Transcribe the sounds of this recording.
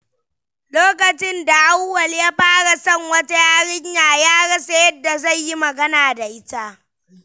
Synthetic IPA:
loː˦kɐ˨t͡ʃɪ˦nda˨ʔa˦wːɐ˨ljaː˦ɸaː˦ɽa˨sɐ˦ŋwɐ˦ta˦jaː˦ɽɪ˦ɲjaː˨jaː˦ɽɐ˦sa˦jɐ˦dːa˨za˦˨jji˦mɐ˨ɡɐ˦naː˨da˨ʔɪ˦ta˦ʔ

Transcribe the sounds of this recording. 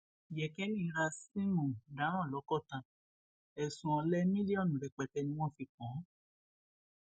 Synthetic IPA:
jɛ˨kɛ˦nĩ˦i˧ɾa˧si˦mɔ̃˨da˨˦ɾ̃ã˦˨lɔ˨˦kɔ˦˨tã˨ | ɛ˨sũ˨ɔ̃˧lɛ˦mĩ˦di˦ɔ˦˨nũ˨ɾɛ˨k͡pɛ˨˦tɛ˧nĩ˧˦w̃ɔ̃˦˨fi˧kɔ̃˨˦

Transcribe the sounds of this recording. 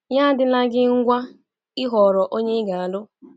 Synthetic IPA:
ɲa˦dɪ˦na˦ɡɪ˦ŋ̩˦ɡʷa˦ | ɪ˦ɦɔ˨ɾɔ˨ʔo˦ɲe˦ɡa˨a˨lʊ˦

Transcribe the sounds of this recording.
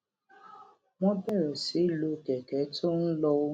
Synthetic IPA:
mɔ̃˦bɛ˦˨ɾɔ˨si˨˦lo˧˨kɛ˨kɛ˨˦tʰo˦n̩˦lɔ˧wo˦

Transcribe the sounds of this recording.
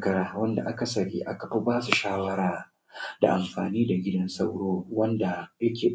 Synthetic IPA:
kɐ˦ɽaː˦wɐ˦nda̰˨ʔa˦ka˨sɐ˨ɾḭː˦ʔa̰˦ka˨ɸi˦baː˦su˨ʃaː˦wɐ˦ɽaː˨ | da̰˨ʔa˨mɸaː˨niː˦da˨ɡʲɪ˦dɐ˦nsɐ˦wɽoː˦wɐ˦nda˨jɐ˦kʲeː˨

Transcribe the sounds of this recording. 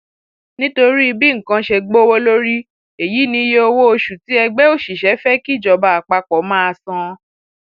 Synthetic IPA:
nĩ˦to˧ɾi˦i˧bi˦ŋ̩˨kã˧ʃe˧ɡ͡bo˦wo˦lo˦ɾi˦ | e˨ji˨˦nĩ˧˦je˦o˧wo˦o˧ʃu˨ti˨˦ɛ˧ɡ͡bɛ˦o˦˨ʃi˨ʃɛ˨˦fɛ˦ki˦˨d͡ʒɔ˨ba˧a˨k͡pa˧k͡pɔ˨˦mãː˦a˧sɔ̃˧

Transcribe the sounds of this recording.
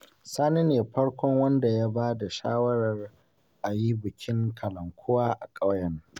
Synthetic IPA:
saː˦ni˦neː˨ɸɐ˦ɽkʷɔ˦ŋwɐ˦nda˨ja˦baː˦da˨ʃa̰ː˦wɐ˦ɽɐ˨r | ʔa˨ji˦bɪ˨kʲʰɪ˦ŋkʰɐ˨lɐ˨ŋkʷʰʊ˦waː˦ʔa̰˨kʼɐ˦wjɐ˨ŋ

